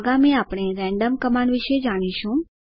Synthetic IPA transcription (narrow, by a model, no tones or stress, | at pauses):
ɡamiapɽ̃eɾɛ̃ɳɖəmkəmaɳʋɪʃed͡ʒaɽ̃iʃũ